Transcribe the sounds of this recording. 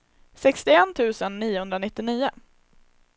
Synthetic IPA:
sɛkst̪ɪɛnt̪ʰʉ̟ːsənːiːʊhɵnd̪ɾanɪt̪ːɪniːʊ

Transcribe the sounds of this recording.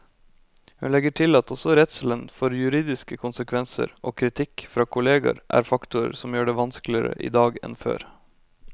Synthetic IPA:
hʉnlɛɡəʈʰɪlɑt̪ɔsɔɾɛt̪səl̩ənfɔɾjʉɾiːd̪ɪskəkʰʊnsəkʰʋɛnsə̰ɾʔoːkʰɾɪt̪ʰɪkfɾɑːkʰʊleːɡɑ̰ɾʔæ̰ːɾfɑkt̪ʊə̰ɾsɔmjøːɖɛːʋɑnsklɪəɾə̰ʔḭːd̪ɑːɡɛ̰nfø̰ːɾ

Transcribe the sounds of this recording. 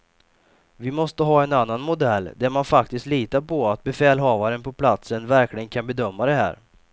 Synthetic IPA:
vɪmɔst̪əɦɑːɛnanːanmʊd̪ɛlːd̪æɾmanfakt̪ɪst̪liːt̪aɾpʰɔat̪̚bɛfɛːlɦɑːvaɾənpʰɔpʰlat̪sənvæɾklɪɡənkʰanbɛd̪œmːad̪ɛɦæ̰ːɾ

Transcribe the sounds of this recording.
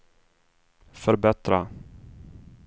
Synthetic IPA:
fœɾbɛt̪ɾa

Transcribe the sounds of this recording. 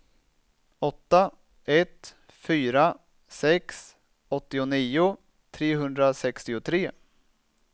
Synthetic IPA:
ɔt̪ːa | ɛt̪ | fyːɾa | sɛks | ɔt̪ːɪʊniːʊ | t̪ʰɾeːɦɵnd̪ɾasɛkst̪ɪʊt̪ʰɾeː

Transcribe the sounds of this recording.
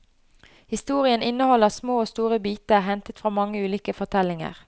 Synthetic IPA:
hɪst̪uːʁɪənʔɪnːəhɔlːəʁsmoːoːst̪uːʁəbiːt̪əʁɦɛnt̪ət̪fʁɑːmɑŋːəʉːliːkəfɔʁt̪ʰɛlɪŋə̰ʁ

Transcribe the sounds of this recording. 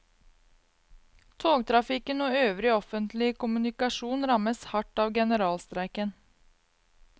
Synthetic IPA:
t̪ʰoːɡ̚t̪ʰɾɑfɪkənoːøːʋɾɪɔfənt̪lɪkʊmʉnɪkɑʂuːnɾɑməshɑʈːɑːʋɡɛnəɾɑːlst̪ɾæɪkən

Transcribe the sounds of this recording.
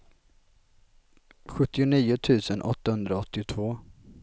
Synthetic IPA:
ɧɵt̪ːɪʊniːʊt̪ʰʉ̟ːsənʔɔ̰t̪ːahɵnd̪ɾaɔt̪ːɪt̪ʰvoː

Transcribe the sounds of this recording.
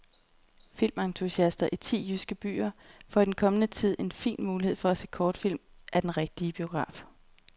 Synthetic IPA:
fil̰mɑnt͡sʰuɕiæsd̥ɐʔit͡sʰḭːjysɡ̥əb̥y̰ːɐfɒ̽id̥enkʰɒ̽mənət͡sʰið̞̰ˠe̝nfḭːnmuːlihe̝ð̰ˠfɒ̽æse̝̰ːkʰɒːd̥fil̰m | ʔæɐd̥enʁeɡ̥̚d̥iəb̥io̝ɡ̥ʁɑ̰̈ːf

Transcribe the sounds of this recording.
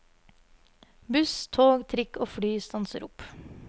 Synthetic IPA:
bʉst̪ʰoːɡt̪ʰɾɪkʰoːfɽyːst̪ɑnsəɾʊp

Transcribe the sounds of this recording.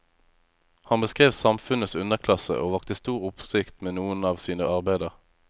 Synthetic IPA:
hɑnbəskʁeːʋsɑmfʉnəsʉnəʁkʰlɑsə̰ʔoːʋɑkt̪əst̪uːʁʊpsɪkt̪meːnuːənɑːʋsiːnəɑʁbæɪd̪əʁ

